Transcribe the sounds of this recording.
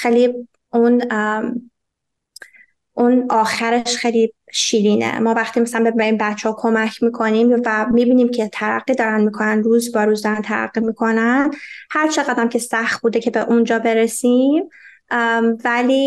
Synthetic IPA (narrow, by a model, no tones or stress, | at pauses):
xejli | ʔun | ʔunɒːxæɾeʃxejliʃiːliːnḛmɒːvæχt̪iːmæsælænbe̞æɾiːmbæt̪t͡ʃʰːehɒkʰo̞mæcʰmiːkʰo̞niːmvæmiːbiːniːmcʰe̞t̪ʰæɾæ̰ɢːiːd̪ɒːɾænmiːkʰonænɾuːzbɒɾuːzd̪ɒːɾænt̪ʰæɾæ̰ɡːimiːkʰo̞nænd̪hæɾt͡ʃʰe̞ɣæd̪æmcʰe̞sæxt̪̚buːd̪ecʰebeʔund͡ʒɒːbe̞ɾesim | væliː